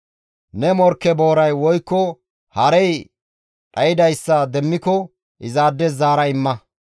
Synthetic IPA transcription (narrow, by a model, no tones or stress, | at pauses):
nɛmɔɾkːɛbo̞ːɾɐjwɔjkːɔ | hɐɾɛj | ᶑʼɐjɪd̪ɐjsːɐd̪ɛmːɪkɔ | ʔɪzaːd̪ːɛzaːɾɐɪmːɐ